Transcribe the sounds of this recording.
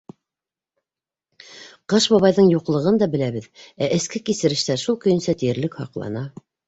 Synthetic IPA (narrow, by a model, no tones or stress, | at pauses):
qɤʃbɑβɑjðɤɴjuqlˠɤ̆ʁɤnd̪ɑbɘ̆læβɘðæʔɘ̆skɘkisɘ̆ɾɘ̆ʃt̪æɾʃulˠkɵ̆jɘ̆nsæt̪ijɘ̆ɾlɘkhɑ̰qlˠɑ̰nɑ